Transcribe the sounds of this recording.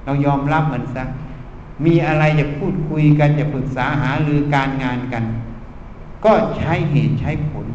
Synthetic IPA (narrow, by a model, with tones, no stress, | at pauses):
ka˧˩wjɔː˧mla˦˥˩p̚mɯ˩˦ənsa˧˩ | miː˧ʔa˧ɾa˧jt͡ɕa˨˧˩pʰuː˥˩t̪̚kʰu˧jka˧nt͡ɕa˧˩pʰɯ˨˩k̚saː˩˦ɦaː˩˦lɯː˧kaː˧nŋaː˧nka˧n | kɔː˥˩t͡ɕʰa˦˥˨jɦeː˨˩t̪̚t͡ɕʰa˦˧˥jpʰo˩˦n